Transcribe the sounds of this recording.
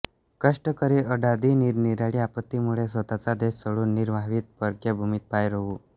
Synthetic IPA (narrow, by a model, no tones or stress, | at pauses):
kəʂʈəkəɾiʔəɖad̪iːniɾniɾjaɭiːapət̪ːimuɭesʋət̪at͡sad̪essəɭuːnːiɾʋaʋiːt̪̚pəɾkjebʱumit̪̚pajɾəuː